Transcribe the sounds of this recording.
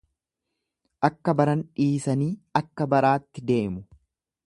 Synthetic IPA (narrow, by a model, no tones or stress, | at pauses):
ʔɐkːɐbɐɾɐnᶑiːsɐniːɐkːɐbɐɾaːt̪ːɪd̪e̞ːmʊ